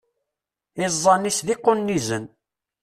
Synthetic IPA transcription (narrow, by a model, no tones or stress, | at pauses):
ɪzˤːɑnisðiqːʊnːizən